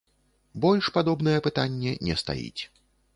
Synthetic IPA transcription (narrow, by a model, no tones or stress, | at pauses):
bɔlʲʂpad̪ɔbn̪ɐjɛpɨt̪anʲːɛnʲɛst̪a̰jḭt͡sʲ